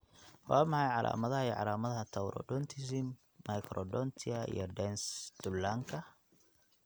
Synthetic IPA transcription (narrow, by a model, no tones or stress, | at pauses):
wɑːmɑħɑjʕɑlʔa̰ːmɐðɐɦɐiʕɑ̰laːmɐðɐɦɐt̪ʰɐwɾɔ̰ɖɔnt̪ʰɪsɪmː | ɐjkʰɾɔɖɔnt̪ʰɪɐḭjɞɖɛnsd̪̥ʊlːaːŋkʰɐ